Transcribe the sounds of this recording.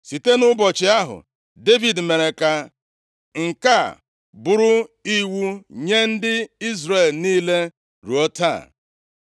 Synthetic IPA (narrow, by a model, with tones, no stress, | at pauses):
si˨te˦nʊ˦bɔ˨t͡ʃɪ˨a˦ɦʊ̰˨ | de˦vi˨dme˨ɾe˨ka˨ | ŋ̩˨ka˦˨ | bʊ˨ɾʊ˦i˦wu˦ɲe˦n̩˦dɪ˦i˦zɾe˨lniː˦le˦ | ɾu˨ɔ˦ta̰˦˨